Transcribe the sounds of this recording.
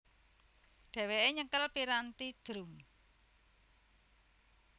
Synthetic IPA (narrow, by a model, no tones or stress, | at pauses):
ɖ̥ɛ̤weʔeɲəkəlpiɾant̪id̪̥ɾum